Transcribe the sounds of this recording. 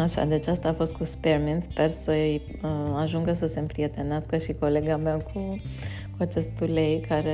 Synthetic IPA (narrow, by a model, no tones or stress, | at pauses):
aʃa̰d̪e̞t͡ʃast̪aːfo̞st̪̚kusperminspe̞rsəj | aʒuŋɡəsəse̞mpɾije̞t̪e̞neaskəʃiko̞le̞ɡamekʰu | kuat͡ʃe̞st̪ule̞jkʰaɾe